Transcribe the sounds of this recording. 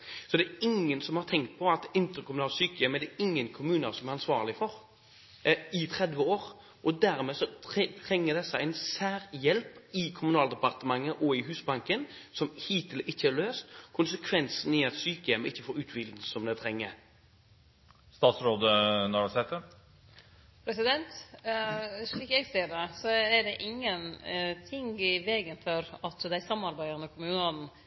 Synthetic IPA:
sɔd̪ɛɛɾɪŋːənsɔmhɑɾt̪ʰɛŋk̚t̪̚pʰɔɑt̪ɪnt̪əɾkʰʊmʉnɑːlsyːkəjɛmɛd̪ɛɪŋːənkʰʊmʉːnəɾsɔmæɾɑnsʋɑːʁlɪfɔɾ | ɪt̪ʰʁɛd̪ʋəoːʁ | ʔɔd̪æɾmeːsɔt̪ʰɾɛŋːəd̪ɛsəæɪnsæːɾjɛlpɪkʰʊmʉnɑːld̪əpɑʁt̪əmɑŋːəʔɔɪɦʉːsbɑŋkənsɔmhiːt̪ʰɪlɪçːəɛɾløːst̪kʰʊnsəkʰʋɛnsn̩ɪɑt̪syːkəjɛmɪçːəfoːɾʉːt̪bɪld̪n̩sɔmd̪ɛt̪ʰɾɛŋːə | st̪ɑːt̪sɾoːd̪ənɔɾɑsɛt̪ːə | pʰɾɛsɪd̪ɛnt̪ | ʂɭiːkɛɡst̪eːd̪əsɔæɖɛʔɪŋːənt̪ʰɪŋɪʋeːɡənfɔɾɑt̪d̪æɪsɑmɑɾbæɪəɾnəɔkʰʊmʉːnɑn

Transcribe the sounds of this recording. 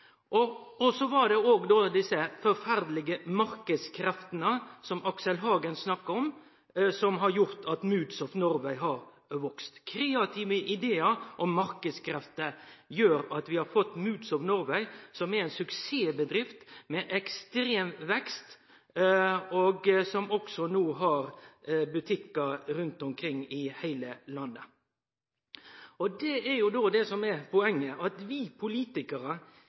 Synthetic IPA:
ʔɔɔsɔʋɑɾd̪ɛoːɡd̪oːd̪ɪsːəfɔɾfæɾd̪lɪɡəmɑɾkəd̪skʰɾɛft̪ənəsɔmɑksəlɦɑːɡənsnɑkːəɔm | sɔmɦɑɾjʊɾt̪ʰɑt̪mʉːd̪sɔfnʊɾʋæɪɦɑɾ | ʋɔkst̪kʰɾeːɑt̪ʰiːʋəʔɪd̪eːəʔɔmːɑɾkəskʰɾɛft̪əjøːɾɑt̪ʋɪhɑɾfɔt̪ːmʉːd̪sɔʋnʊɾʋæɪsɔmɛɾɛnsʉkseːbəd̪ɾɪft̪mɛʔɛkst̪ɾeːmʋɛkst̪ | oɡsɔmɔksɔnuːɦɑɾbʉt̪ʰɪkːəɾʉnt̪ɔmkʰɾɪŋːɪhæɪləlɑnːə | ɔd̪ɛæɾjʊd̪oːd̪ɛsɔmɛpʰɔɛŋːəʔɑt̪ʋipʰʊliːt̪ɪkəɾə

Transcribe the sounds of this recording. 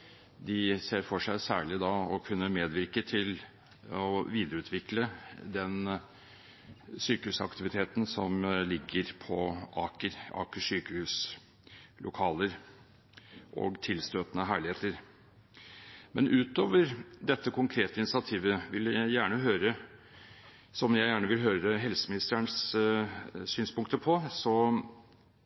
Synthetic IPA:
d̪ɪseːɾfɔʂæɪsæ̰ːɭɪd̪ɑɔkʰʉnːəmeːd̪ʋɪɾkət̪ʰɪl | ɔʋiːd̪əɾəʉːt̪ʰʋɪkləd̪ɛn | syːkəhʉːsɑ̰kt̪ɪʋɪt̪ʰeːt̪n̩sɔmlɪɡːəɾpʰɔɑːkəɾɑ̰ːkəʂyːkəhʉːs | lʔʊ̰kʰɑːləɾ | ʔɔ̰ɡt̪ʰɪlst̪øːt̪ənəɦæːɭɪheːt̪əɾ | mɛnʔʉːt̪oːʋəɾd̪ɛt̪ːəkʰʊŋkʰɾeːt̪əɪnɪtsɪɑt̪ʰiːʋəʋɪljæjæːɳəɦøːɾə | sɔmjæɪjæːɳəʋɪlɦøːɾəɦɛlsəmɪnɪst̪əɳs | syːnspʊŋkt̪əpʰɔsɔ

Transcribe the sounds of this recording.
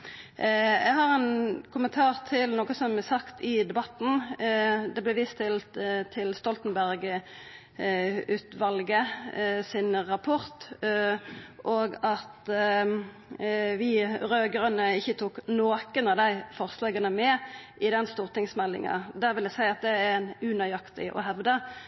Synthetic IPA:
ɛɡɦɑʁɛnkʰʊmənt̪ʰɑːʁt̪ʰɪlnɔːkəsɔmɛsɑkt̪ʰɪd̪ɛbɑt̪n̩ | d̪ɛblɛʋɪst̪ʰɪlt̪t̪ʰːɪlst̪ɔlt̪ən̩bæʁɡ | ʉːt̪ʋɑlɡəsɪnʁɑpʰʊʁt̪ | ʔoːɡɑt̪ | ʋɪʁøːɡʁənəɪçːət̪ʰuːknoːkənɑʋd̪æɪfɔʁslɑːɡənəmɛʔɪd̪ɛnst̪uːʁt̪ɪŋsmɛlːɪ̰ŋɑ̰d̪æːʁʋɪld̪æsæɪɑt̪̚d̪ɛænʉnɑjɑkt̪ɪʔɔ̰ɦɛʋd̪ə

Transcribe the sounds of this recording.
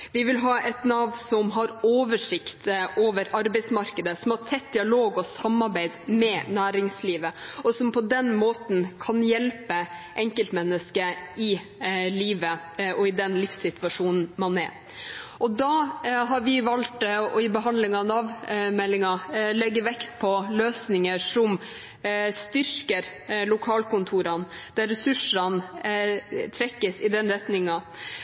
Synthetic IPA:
ʋɪʋɪlɦɑːʔɛt̪nɑʋnsɔmɦɑɾoːʋəʂɪkt̪ʔoːʋəɾɑɾbɛɪsmɑɾkəd̪əsɔmhɑʈʰɛt̪̚d̪ɪɑloːɡɔsɑmɑɾbæɪd̪mɛnæːɾɪŋsliːʋəɔsɔmpʰɔd̪ɛnmoːt̪n̩kʰɑnjɛlpəʔɛŋkəlt̪mɛnːəskəɪ | liːʋə | ɔɪd̪ɛnlɪfsɪt̪ʋɑʂuːnn̩mɑnɛ̰ɾ | ʔɔd̪ɑɦɑɾʋɪʋɑlt̪ɔɪbəɦɑnd̪lɪŋɑnɑʋmɛlːɪŋɑlɛɡːəʋɛkt̪̚pʰɔløːsnɪŋəʂɔm | st̪ʏɾkəɾlʊkʰɑːlkʊnt̪ʰuːɾɑn | d̪̥æɾɛsʉʂɾɑn | t̪ʰɾɛkːəsɪd̪ɛnɾɛt̪nɪŋɑ

